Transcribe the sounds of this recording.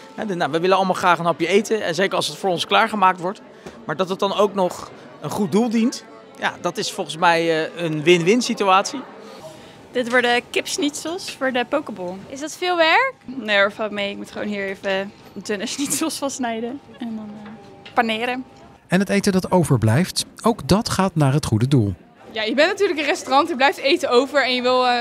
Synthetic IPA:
ɦɛ̰naʋəʋɪlənɑlˠəmalˠχraːχənɔpjəejtəɛ̰nzejkəɹɑlˠsətfʊːɹɔnsklaːɹχəmaːk̚tʋɔɹt | maːɹdɑtət̚dɑnowknɔχ | ənχut̚dulˠdint | ja̰ːdɑtɪsfɔlˠχən̩smɛjənʋɪnʋɪnsityaːtsi | d̥ɪtʋʊɹdəkɪpsnitsəlˠsfʊɹdəpowkəbɔlˠɪsdɑtfɪːlˠʋɛɹknoɔfɔmejɪk̚mutχəʋo̰nɦiːɹejvə | dønəsnitsəlˠsfɑnsnɛjdəɛndɑnpanɪːɾən | ɛnɦətejtədɑtowvəɹblɛjftowkdɑtχaːtnaːɹɦətχudədulˠ | jaːjəbɛntnatyːɹləkənrɛstorɑntjəblɛjftejtəowvəɹɛnjəʋɪlˠ

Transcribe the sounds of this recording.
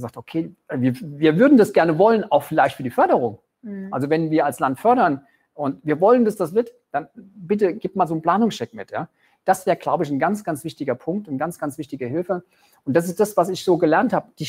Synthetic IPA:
zaːktokʰeːviːɐviːɐvʏɐdn̩dasɡ̥ɛɐnəvɔlənaʊxfɪlaɪçtfyːɐdiːfœɐɾəʁʊŋ | alzovɛnviːɐalslantfœɐɾɐn | ʔʊntviːɐvɔləndasd̥asv̥ɪɐt | d̥anbɪt̬əɡ̥iːp̚maːlzoːnpl̥aːnʊŋsʃɛkmɪ̰tjaː | d̥asv̥ɛːɐʁəɡ̥laʊbəɪçn̩ɡant͡sɡ̥ant͡sv̥ɪçtɪɡɐpʰʊŋk̚tʊnɡ̥ant͡sɡ̥ant͡sv̥ɪçtɪɡəɦɪlfə | ʔʊntd̥as̬ɪsd̥asv̥asɪçz̥oːɡəlɛɐnthaːbəd̥ɪ

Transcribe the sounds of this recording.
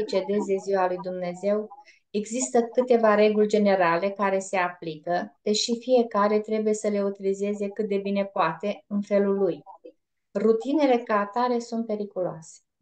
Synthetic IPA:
t͡ʃe̞d̪e̞ze̞ziwalujd̪umne̞ze̞w | e̞ɡzist̪əkɨt̪e̞vaɾe̞ɡulʲd͡ʒe̞ne̞ɾale̞kaɾe̞se̞aplikəd̪̥eʃifije̞kaɾe̞t̪ɾe̞buje̞səle̞ut̪ilize̞ze̞kɨt̪̚d̪e̞bine̞poat̪e̞ɨnfe̞luluj | rut̪ine̞le̞kaːt̪aɾe̞sunt̪̚pe̞ɾikuloase̥

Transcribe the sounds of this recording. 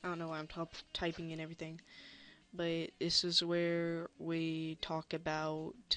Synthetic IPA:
ɪdõʊ̃noʊwãɪ̃mtʰʌptʰaɪpɪ̃ŋɨ̃ɾ̃ɛvɹiθɪ̃ŋ | b̥ʌt̚ðɪsɨzwə˞witʰɔkɨbaʊt

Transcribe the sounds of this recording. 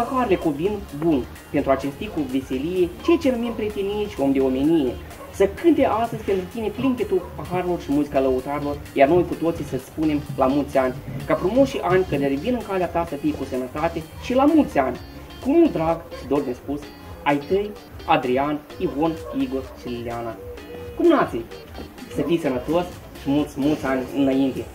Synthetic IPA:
axaɾlekovinbun | pe̞nt̪ɾuat͡ʃe̞st̪ːikuvese̞lije̞t͡ʃet͡ʃe̞numempɾet̪enit͡ʃʲo̞md̪e̞o̞menije̞ | səkɨnt̪e̞ʔast̪əzʲpent̪ɾut̪ine̞pliŋkʲet̪upaxaɾelo̞rʃimuzikaləut̪aɾelo̞rjarno̞jkut̪o̞t̪sisəsʲpune̞mlamult̪ʲanʲkafɾumuʃiʔanʲkəd̪eɾevinɨŋkaleat̪asəfijekusənət̪at̪eʃilamult̪sʲanʲ | kumud̪ɾaɡʃid̪o̞rd̪nʲespus | ajt̪əj | ad̪ɾian | ivo̞niɡo̞rʃilileanakumnat̪si | səfijsənət̪osʲ | ʃimult̪sʲmult̪sʲanʲɨ̰naint̪e̞

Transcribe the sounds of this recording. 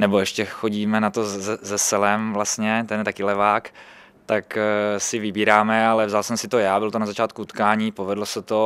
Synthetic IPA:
nɛboɛʃcɛxoɟiːmɛnat̪oɛzɛsɛlɛmvlast̪ɲɛt̪ɛnjɛt̪akɪlɛvaːk | t̪aksɪvɪbiːɾaːmɛalɛvzalsɛmsɪt̪ojaːbɪlt̪onazat͡ʃaːt̪̚kuut̪kaːɲiːpovɛdlosɛt̪o

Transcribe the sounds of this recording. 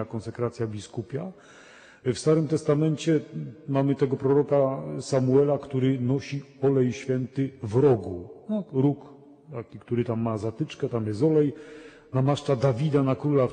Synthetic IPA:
akɔ̃nsɛkɾat̪sʲjabʲiskupʲja | fst̪aɾɘmt̪ɛst̪amɛnt͡ɕɛmamɘt̪ɛɡɔpɾɔɾɔkasamuɛlakt̪uɾɘnɔɕi | ɔlɛjɕfʲjɛnt̪ɘvɾɔɡunɔɾuk | t̪akʲikt̪uɾɘt̪amːazat̪ɘt͡ʂkɛt̪amjɛst̪ɔlɛj | namaʂt͡ʂad̪avʲid̪anakɾula

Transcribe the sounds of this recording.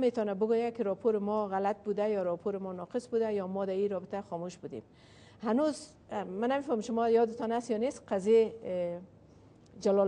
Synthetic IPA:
met̪ɔnabʊɡojakɪɾɔpʰoɾɪmɔɣalat̪̚bud̪ajɔɾɔpʰoɾɪmɔnɔqɪsbud̪ajɔmɔd̪aiɾɔbɪt̪axɔmuʃbud̪ḛm | hanuz | manamefɔmɪmʃʊmɔjɒd̪ɪt̪ɔnasjɒnesqaze | d͡ʒalɔ

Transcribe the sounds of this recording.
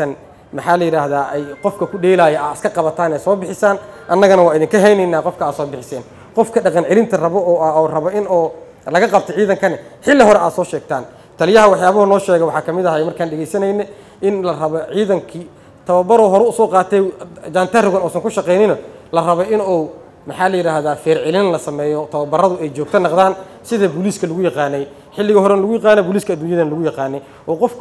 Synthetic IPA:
ɐn | mɐħɑːlɐjɪɾaːɦðaːʔɛjqɔfkʰɐkʰʊɖɛːjlaːjɛʔɐɪskʰɐqɑβɐt̪ʰaːnɛːsɔːbɪħɪsaːnʔɐnːɐɣɐnɐwɑːɪðɪŋkʰɐɦɛjnɛjnaːqɔfkʰɐaːd̪sɔːbɪħɪsɛːn | qɔfkʰɐɖɑqɑnʕɪlɪnt̪ʰɐrɐβɔɔːɐɔːrɐβɔʔɪnɔː | lɐɣɐqɑb̚t̪ʰɔʕiːðɐŋkʰɐnɪħɪlːɪɦɔɾɛʔa̰ːd̪sɔːʃɛːɡ̚t̪ʰaːn | t̪ʰɐljɐɦɐwɑħjaːβɐhʊnɔːʃɛːɣɛwɑħɑːkʰɐmɪðɐɦɛjmɐrkʰaːnɖɛɣɛjsɐnɛjnɛ | ʔɪnlɐrɐβɔʕiːðɐŋkʰi | t̪ʰɐβɐbɐɾɔɦɔɾɛʊsɔːqɑːt̪ʰɛd͡ʒaːnt̪ʰɐrʊɣɐnɔːsɐŋkʰʊʃɑqɛjnɪnɐ | lɐrɐβɔʔɪnɔw | mɐħɑːlɐjɪɾaːhðaːfɛːrʕɪlɪnnlɐsɐmɛːjɔt̪ʰɐβɐbɐrɐðʊɛjt͡ʃɔːɡ̚t̪ʰɐnɑqd̪aːn | sɪðɐbʊliːskʰɐlʊɣʊjɑqɑːnːɛj | ħɪlːɪɣɐɦɔɾɛnɐlʊɣʊjɑqɑːnɛbʊːliːskʰɐːd̪uːnjɐðɐnɐlʊɣʊjɑqɑːnːɛj | ʔɔːqɔfkʰ

